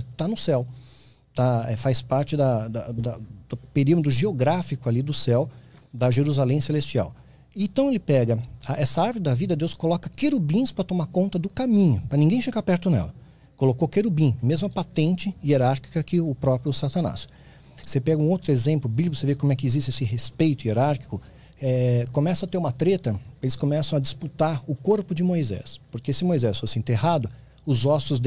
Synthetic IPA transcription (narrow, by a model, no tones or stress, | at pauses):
t̪anʊsɛw | t̪aɛfajspaɾt͡ʃɪd̪ɐd̪ɐd̪ɐd̪̥ʊpeɾimʊd̪ɾʊʒeoɡɾafikʊalid̪ʊsɛw | d̪ɐʒeɾuzalẽj̃selest͡ʃia̰w | ɪẽt̪ɐ̃w̃elɪpɛɡɐaʔɛsɐaɾvoɾɪd̪ɐvid̪ɐd̪ewskolɔkɐkeɾubĩspɾɐt̪omaɾkõnt̪ɐd̪ʊkamĩɲʊpɾɐnĩŋɡẽj̃feɡapɛɾt̪ʊnɛ̰lɐ | kolokokeɾubĩmezmʊɐpat̪ẽnt͡ʃɪieɾaɾki̥kɐkɪʊpɾɔpɾjʊsat̪ɐna̰s | sepɛɡɐũowt̪ɾʊezẽmplʊbilbosevekõmʊɛkɪizist͡ʃesɪhespejt̪ʊieɾaɾki̥kʊ | ɛkõmɛsɐ̃ɐt̪eɾumɐt̪ɾet̪ɐelɪskõmɛsɐ̃w̃ɐd͡ʒɪsput̪aɾʊkoɾpʊd͡ʒɪmojzɛ̰spoɾkesɪmojzɛsfoɾsɪẽnt̪ehad̪ʊ | ʊzɔsʊzd̪